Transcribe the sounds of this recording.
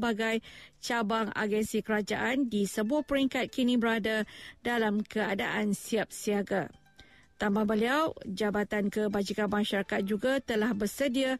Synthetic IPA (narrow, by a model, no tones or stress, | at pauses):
baɡajt͡ʃabaŋa̰ɡɛnsikəɾad͡ʒa̰ʔandisəbuahpəɾiŋkat̪̚kinĩbəɾadadalamkəada̰ʔansiap̚siaɡa | t̪ambahbəliawd͡ʒabat̪ankəbad͡ʒikanmãʃaɾakat̪̚d͡ʒuɡat̪əlahbərsədia